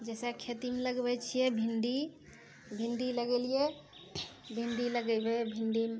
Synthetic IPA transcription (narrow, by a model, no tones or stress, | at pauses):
d͡ʒɛsɛkʰet̪imeləɡbɛt͡ʃʰijɛbʱinɖi | bʱinɖiləɡelijɛ | bʱinɖiləɡɛbebʱinɖim